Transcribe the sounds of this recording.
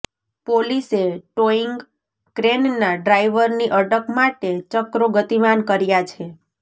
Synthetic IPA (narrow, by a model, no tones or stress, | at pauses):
poliseʈoiŋɡ | kɾennaɖɾaiʋəɾniʔəɖəkmaʈet͡ʃəkɾoɡət̪imankəɾjat͡ʃʰe